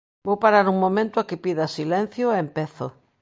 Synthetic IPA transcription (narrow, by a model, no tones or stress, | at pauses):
bowpaɾaɾuŋmõmẽnt̪ʊakɪpiðɐsilɛn̟θjoeempeθo̰